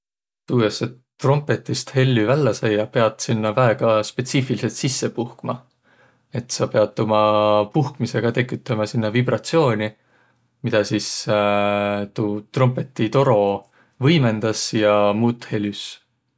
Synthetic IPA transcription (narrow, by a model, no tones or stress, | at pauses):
t̪uːj̪ɑsːe | t̪ro̞mpˑe̞t̪ːˑist̪he̞lʲːyvælːɑsɑjːɑpe̞ɑd̪̥sinːɑvæeɡ̥ɑspe̞t̪siːfilise̞lt̪sisːe̞puhkmɑ | e̞t̪sɑpe̞ɑd̪̥̚t̪omɑpuhkmise̞ɡ̥ɑt̪e̞kːˑyt̪ːˑɑmɑsinːɑvibɾɑt̪sio̞ːnʲi | mid̪̥ɑsis | t̪uːt̪ro̞mpˑe̞t̪ːˑit̪o̞ɾo̞ | vɤjme̞nd̪̥ɑsjɑmuːt̪ːˑhe̞lʲys